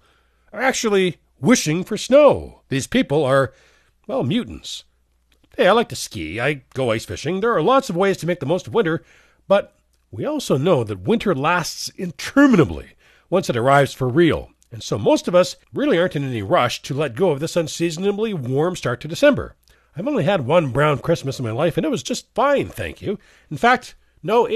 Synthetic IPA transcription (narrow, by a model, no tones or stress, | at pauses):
ə˞æk̚t͡ʃul̩ˠi | wɪʃɪ̃ŋfə˞snoʊðiz̥pʰipl̩ˠə˞ | wɛlˠmjʉʔn̩s | eɪaɪlaɪk̚tɨskḭaɪɡ̥oʊaɪsfɪ̰ʃɪ̃ŋðə˞ːlɑtsʌvweɪz̥tʰɨmeɪk̚ðəmoʊstʌvwɪ̃ntə˞ | b̥ʌt̚ | wiɔlˠsoʊnoʊðɨt̚wɪ̃ntʰə˞læstsɨ̃ntʰɜ˞mɨnɨblḭ | wʌ̃nsɨɾə˞aɪvz̥fə˞ɹilˠ | ɨ̃nsoʊmoʊstʌvʌsɹɪlˠiɑ̃ɹntɨ̃nɛniɹʌʃtʰɨlɛt̚ɡ̥oʊʌvðɪsʌ̃nsiznɨbliwɔɹmstɑɹtʰɨdɨsɛ̃mbə̰˞ | aɪvõʊ̃nliɨd̚wʌ̃nbɹãʊ̃nkʰɹ̥ɪsmɨsn̩maɪlaɪfɨ̃nɨt̚wʌzd͡ʒʌstfãɪ̃nθæ̰̃ŋkʰjʉ | ɨ̃n̩fæk̚t | noʊ